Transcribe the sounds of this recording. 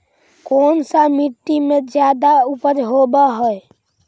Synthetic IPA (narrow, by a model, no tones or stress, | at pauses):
konsamiʈːimed͡ʒjad̪aupəɾɦobɛɦəj